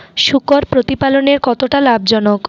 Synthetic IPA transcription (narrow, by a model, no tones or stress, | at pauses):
ʃukoɾpɾot̪ipaloneɾkɔt̪oʈalab̚d͡ʑɔnok